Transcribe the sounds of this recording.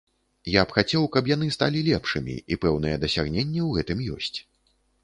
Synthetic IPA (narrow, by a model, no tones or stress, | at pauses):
japxat͡sʲɛwkɐpjanɨst̪a̰lʲilʲɛpʂɨmʲḭipɛwnɨjɛd̪ɐsʲaɣnʲenʲːɛwɣɛt̪ɨmjɔ̰sʲt͡sʲ